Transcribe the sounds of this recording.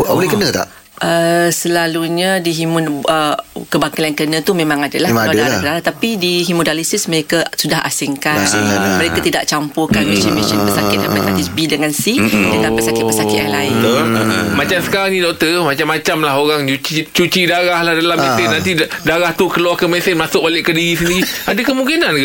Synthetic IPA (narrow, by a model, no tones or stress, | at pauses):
bolɛhkənət̪a̰ʔ | ʔəsəlaluɲadiɦimʊnəkəbaŋkalankənə̃t̪umẽmãŋadalaladadakənalat̪apidiɦimodalisisməɾekasudaɦa̰sɪŋkaanŋaməɾekat̪idaʔt͡ʃampʊkanmeʃənmeʃənpəsat̪̚ɪt̪̚da̰pat̪aisbidəŋansidəlampəsaɪt̪̚pəsakɪt̪ja̰laɪt̪omat͡ʃamsə̥kaɾaŋnĩdɔk̚t̪əmat͡ʃamːat͡ʃamlaɦoɾaŋt͡ʃut͡ʃit͡ʃut͡ʃidaɾahlahdalamẽsɪnːãnt̪idaɾaht̪ukəluakəmesɪnmasʊk̚balɪʔkədiɣisəndiɾiadakəmuŋkinank